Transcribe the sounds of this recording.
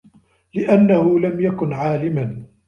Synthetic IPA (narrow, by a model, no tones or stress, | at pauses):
lɪʔanːahʊlamjakʊnʕaːlɪman